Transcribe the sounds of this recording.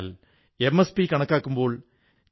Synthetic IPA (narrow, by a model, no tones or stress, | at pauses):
l | emːespikɐɳɐkːaːkːumbo̞ːɭ